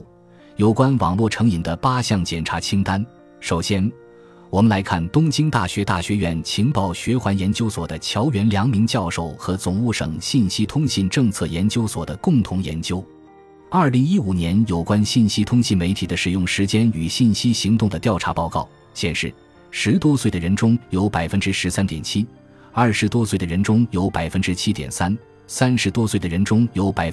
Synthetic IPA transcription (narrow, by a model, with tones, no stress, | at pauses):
jo˨˩ʊkwa˥nwɑ̰˨˩ŋlwɔ˥˩ʈ͡ʂʰɤ˧˥ŋi˨˩nd̪ə˦pa˥ɕjɑ˥˩ŋt͡ɕjɛ˨˩nʈ͡ʂʰa˧˥t͡ɕʰi˥ŋt̪a˥n | ʂo˨˩ʊɕjɛ˥n | wɔ˨˩mə˦nla˧˥ɪkʰa˥˩nt̪ʊ˥ŋt͡ɕi˥ŋt̪a̰˥˩ɕɥɛ˧˥t̪a̰˥˩ɕɥɛ˧˥ɥɛ˧˥nt͡ɕʰi˧˥ŋpɑ˨˩ʊɕɥɛ˧˥xwa˧˥njɛ˧˥nt͡ɕjo˥ʊswɔ˨˩d̪ə˦t͡ɕʰjɑ˧˥ʊɥɛ˧˥nljɑ˧˥ŋmi˧˥ŋt͡ɕjɑ˥˧ʊʂo˥˩ʊxɤ˧˥t͡sʊ˨˩ŋu˥˩ʂɤ̰˨˩ŋɕi˥˩nɕi˥t̪ʰʊ˥ŋɕi˥˧nʈ͡ʂɤ˥˧ŋt͡sʰɤ˥˩jɛ˧˥nt͡ɕjo˥ʊswɔ̰˨˩d̪ə˦kʊ˥˩ŋt̪ʰʊ˧˥ŋjɛ̰˧˥nt͡ɕjo˥ʊ | ɐ˞˥˩li˧˥ŋi˥u˨˩njɛ˧˥njo˨˩ʊkwa˥nɕi˥˩nɕi˥t̪ʰʊ˥ŋɕi˥˩nme˧˥ɪt̪ʰi˨˩d̪ə˦ʂɻ̩˨˩jʊ˥˩ŋʂɻ̩˧˥t͡ɕjɛ˥ny˨˩ɕi˥˩nɕi˥ɕi˧˥ŋt̪ʊ˥˩ŋd̪ə˩t̪jɑ˥˩ʊʈ͡ʂʰa˧˥pɑ˥˧ʊkɑ˥˩ʊ | ɕjɛ̰˨˩nʂɻ̩˥˩ | ʂɻ̩˧˥t̪wɔ˥swe˥˩d̪ə˩ɻə˧˥nʈ͡ʂʊ˥ŋjo˧˥ʊpa˨˩ɪfə˥nʈ͡ʂɻ̩˥ʂɻ̩˧˥sa˥nt̪jɛ̰˨˩nt͡ɕʰi˥ | ɐ˞˥˩ʂɻ̩˧˥t̪wɔ˥swe˥˩ɪd̪ə˩ɻə˧˥nʈ͡ʂʊ˥ŋjo˧˥ʊpa˨˩ɪfə˥nʈ͡ʂɻ̩˥t͡ɕʰi˥t̪jɛ̰˨˩nsa˥n | sa˥nʂɻ̩˧˥t̪wɔ˥swe˥˩ɪd̪ə˩ɻə˧˥nʈ͡ʂʊ˥ŋjo˧˥ʊpa˨˩ɪ